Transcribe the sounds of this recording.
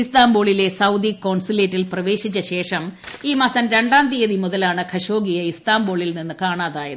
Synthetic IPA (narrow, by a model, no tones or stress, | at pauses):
ist̪aːmboːɭile̞sɐwd̪ikːoːɳsileːtːilprɐʋe̞ːɕit͡ɕːɐɕe̞ːʂɐmiːmɐsɐnɾe̞ɳɖaːnd̪ijɐðimuðɐlaːɳɨkʰɐɕo̞ːɡijɐist̪aːmboːɭilninːɨkaːɳaːðaːjɐðɨ